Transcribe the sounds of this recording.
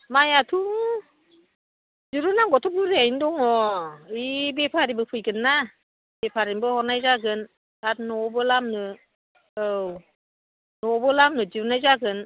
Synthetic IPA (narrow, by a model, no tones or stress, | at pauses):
majatʰu | d͡ʒɯɾɯnaŋɡɔtʰɔp̚ɯɾiajndɔŋɔibepʰaɾibɯpʰɯjɡɯnːa | bepʰaɾimbɯhɔnajzaɡɯn | at̚nɔbɯlamnɯ | ɯw | nɔbɯlamnɯziɾunajzaɡɯn